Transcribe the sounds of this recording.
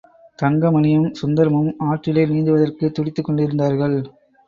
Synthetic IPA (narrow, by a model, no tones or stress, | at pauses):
t̪ɐŋɡɐmɐnɪjɐmsʊnd̪ɐɾɐmɯmaːʈrɪleːniːnd̪ɯʋɐðɐrkɯt̪ːʊɽɪt̪ːɯkːɔɳɖɪɾɯnd̪aːɾɣɐɭ